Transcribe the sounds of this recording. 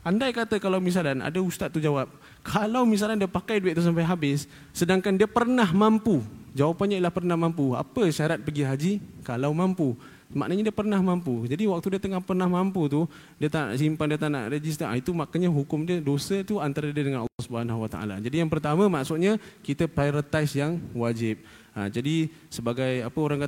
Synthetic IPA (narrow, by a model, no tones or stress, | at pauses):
andajkat̪əkalawmis̬alana̰daust̪at̪̚ːud͡ʒawap̚ | kʰalawmis̬alandiəpakajduɪt̪t̪us̬ampajɦabɪsː | ədaŋkandiəpərnaɦmampud͡ʒawapanɲailahpərnahmampua̰pəʃaɾat̪̚pəɡiɦad͡ʒikalawmampu | maʔnəɲadiəpərnahmampud͡ʒadiwak̚t̪udiət̪əŋahpərnahmamput̪̬u | diət̪ana̰ʔsimpandiət̪ana̰ʔrəd͡ʒis̬t̪əʔa̰it̪umakanɲaɦukʊmdiədosət̪uant̪aɾədiədəŋanə̰lːɔhsubəɦanahwat̪a̰ʔa̰la̰d͡ʒadijaŋpərt̪amə̃maʔsʊt̪̚ɲakit̪əpɾajɾət̪ajsjaŋwad͡ʒɪp̚ | a̰d͡ʒadisəbaɡajapəoɾaŋka